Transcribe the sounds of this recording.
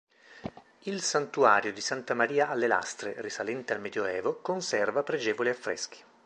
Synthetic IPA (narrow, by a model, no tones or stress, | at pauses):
ilsant̪uaːɾjod̪isant̪amaɾiːaʔalːela̰st̪ɾḛrisalɛnt̪ealmɛd̪joɛːvokonsɛrvapɾed͡ʒɛːvoliafːɾɛ̰sk̟i̥